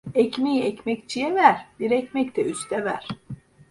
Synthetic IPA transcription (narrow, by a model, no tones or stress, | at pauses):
ɛcmejiɛcmɛct͡ʃʰijɛvæɾ̥d̪̥iɾɛcmɛct̪ʰɛyst̪ʰɛvæɾ̥